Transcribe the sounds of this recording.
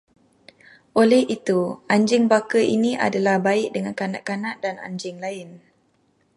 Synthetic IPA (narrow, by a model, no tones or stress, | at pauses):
ʔolɛhit̪uaɲd͡ʒɪŋbakəʔḭniʔa̰dalahbaɪʔ̚dəŋankanaʔkanãʔdana̰ɲd͡ʒɪŋlaɪn